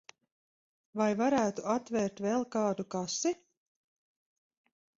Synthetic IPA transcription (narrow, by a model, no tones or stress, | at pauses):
vajvaɾæːt̪uat̪vɛːɾt̪vɛlˠkaːd̪ukasi